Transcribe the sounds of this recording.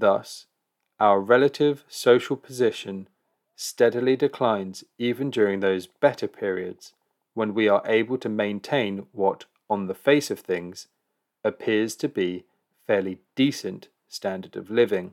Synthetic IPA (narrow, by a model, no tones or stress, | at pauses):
ðʌs | ʔaʊəɹɛlətʰɪv̥səʊʃəl̩ˠpʰəzɪʃə̃n | stɛɾəl̩idɪkʰl̥ãɪ̃nz̥iːvə̃nd͡ʒɔːɹɪ̃ŋðəʊzb̥ɛtə˞pʰɪɹiə̰dz̥ | wə̃nwiəɹʔeɪbəlˠtʰəmẽɪ̃ntʰẽɪ̃nwɒt | ə̃n̩ðəfeɪsəv̥θɪ̃ŋz̥ | əpʰɪəz̥tʰəbi | fɛːlid̥isə̃n | stæ̃ndədʌ̰vlɪvɪ̃ŋ